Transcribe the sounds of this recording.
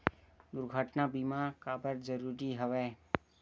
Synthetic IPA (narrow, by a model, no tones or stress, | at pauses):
d̪ʊɾɡʱəʈnabimakabəɾd͡ʒəɾuɾiɦəʋe